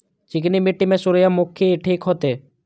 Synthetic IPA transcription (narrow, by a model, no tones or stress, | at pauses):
t͡ʃɪknimeʈːimɛsʊɾjamʊkʰeʈʰiːkɦɔt̪e